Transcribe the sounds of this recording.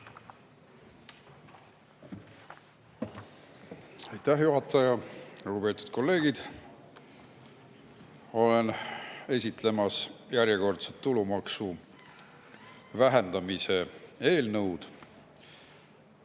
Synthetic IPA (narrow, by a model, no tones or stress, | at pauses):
ɑjt̪ːæɦjuɦɑt̪ːˑɑjɑluɡupe̞ːt̪u̥d̪̥̚ko̞lːe̞ːɡ̥id̪̥ | o̞le̞ne̞sʲit̪ˑle̞mɑsjæɾjeko̞rt̪set̪ːulumɑksu | væɦe̞nd̪̥ɑmise̞e̞ːlnɤwd̪̥